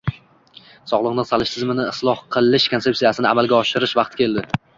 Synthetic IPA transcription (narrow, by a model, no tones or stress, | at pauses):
sɒʁlˠɨqnɪqsalɪʃt̪ʰɪzmɪnɪɪslˠɒhqʰɨlˠɪʃkʰont̪e̞ptsijasɪnɪa̰malˠɡʲaɒʃɪɾɪʃvɑqt̪kʲʰe̞ld̪ɪ